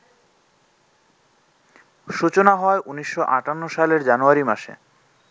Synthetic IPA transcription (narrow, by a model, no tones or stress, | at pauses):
ʃut͡ɕonaɦɔeʔuniʃːoʔaʈanːoʃaleɾd͡ʑanuaɾimaʃḛ